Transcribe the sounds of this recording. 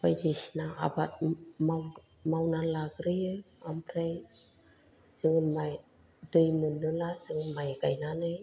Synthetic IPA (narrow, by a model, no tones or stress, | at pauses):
pajd͡ʒisnaa̰bat̚ma | mawnanlaɡɾijɯ | ampɾej | zɯŋɯnmaj | dɯjmɯnːɯlaz̥ɯŋɯnmajɡajnanɯj